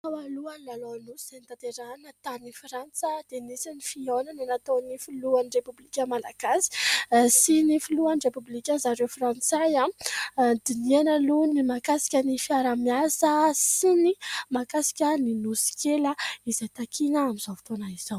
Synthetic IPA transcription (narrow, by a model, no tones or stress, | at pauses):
t̪awaluanlalonusiz̥enit̪at̪eɾanət̪anifrant͡səd̪̥enisinifionananat̪onifuluanirepublikʲəmalaɡasi̥sinifiluanirepublikʲəzaɾewfrant͡sajã | d̪inianəlunimakasi̥kʲənifiaɾamjasəsinimakasi̥kʲəninusi̥kʲeləizajt̪akʰinəamiz̥avi̥t̪oanaiz̥aw